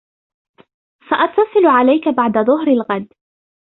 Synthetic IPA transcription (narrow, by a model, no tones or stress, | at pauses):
faʔɑt̪ːɑsˤɨlʕalajkabaʕd̪aðˤʊhɦɾalɣad̪